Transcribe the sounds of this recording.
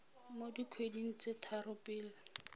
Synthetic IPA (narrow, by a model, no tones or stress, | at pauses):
modikʰwediŋ̩t͡sʼetʰarʊpʼɪːlɪ